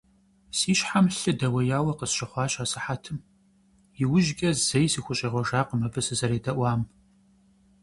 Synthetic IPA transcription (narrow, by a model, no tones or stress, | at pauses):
siːɕħamɬɨdɐwɐjaːwɐqəsʃɐχʷɑːɕʼaːsɨħatʰɨm | jɪwʊʒɡʲʼɐzɐjsiːxʷʊɕʼɐʁʷɔʒaːqəmɐbɨsɨzɐɾeːdɐʔʷɑːm